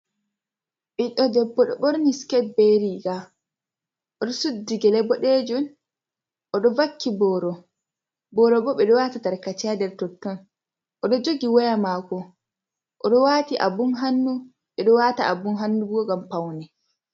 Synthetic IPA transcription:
ɓiɗɔdɛbːɔɗɔɓɔɾniskɛt̚beɾiɡa | ʔɔɗɔsudːiɡɛlɛbɔɗed͡ʒun | ʔɔɗɔvakːibɔɾɔ | bɔɾɔbɔɓɛɗɔwatataɾkat͡ʃɛadɛɾtɔtːɔn | ʔɔɗɔd͡ʒoɡiwɔjamakɔ | ʔɔɗɔwaːtiʔa̰bunɦanːu | ɓɛɗɔwataa̰bunɦanːubɡɔɡampawnɛ

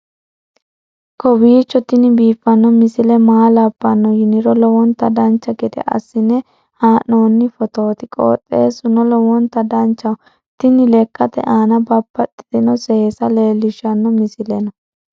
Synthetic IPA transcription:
kɔbiːt͡ʃːɔt̪ɪnɪbiːfːɐnːɔmɪsɪlɛmaːlɐbːɐnːɔjɪnɪɾɔlɔwɔnt̪ɐd̪ɐnt͡ʃːɐɡɛd̪ɛ̰ʔɐ̰sːɪnɛ | haːnːo̞ːnːɪfɔt̪o̞ːt̪ɪkʼo̰ːt̪ʼːeːsʊnɔlɔwɔnt̪ɐd̪ɐnt͡ʃːɐw | t̪ɪnːɪlɛkʼːɐt̪ɛ̰ʔaːnɐbɐbːɐt̪ʼːɪ̥d̪ɪnɔsɛhsɐleːlːɪʃɐnːɔmɪsɪlɛnɐ

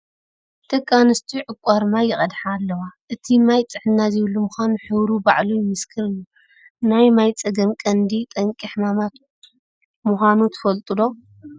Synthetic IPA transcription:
t̪ʰɐkʼːanɨst̪ʰiʕɨkʷʼaɾmajɪχʼɐd̪ħaːlːɐwaʔɨt̪ʰimajt͡sʼɨħɨnːazɪβlːumuxʷanuħɨβɾubaʕlujɪmɨskʰɨlɨnːu | najmajt͡sʼɐɡɐmkʼɐnd̪it̪ʼɐŋkʼiħmamat̪ | muxʷanut̪ʰɨ̥fɐlt̪ʼɨlo̞

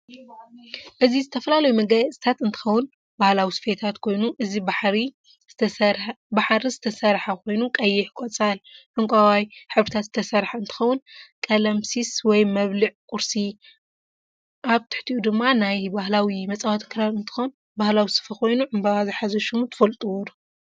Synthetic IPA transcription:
ʔɨzizɨt̪ʰɐfɐlalɐjumɐɡɐjɐsʼit̪ʰat̪ɨnt̪ʰɨ̥xɐwːʊn | bahlawisɨ̥fet̪ʰat̪kʰo̞jnuʔɨzibaħɾi | baħɾizɨt̪ʰɐsɐɾħakʰo̞jnukʼɐjːɪħkʷʼot͡sʼalʔɨŋkʷʼawajħɨβɾɨt̪ʰat̪zɨt̪ʰɐsɐɾħaɨnt̪ʰɨ̥xɐwʊnkʼɐlɐmsiswɔjmɐβlɨʕkʼʊɾsi | ʔaβt̪ʰɨ̥ħt̪ʰiʔud̪ɨmːanajbahlawimɐt͡sʼawat̪ʰkʰɨɾalɨnt̪ʰɨ̥xown | bahlawisɨ̥fɐkʰo̞jnuʕɨmbaβazɨħazɐʃumut̪ʰɨ̥fɐlt̪ʼuwɔɾu

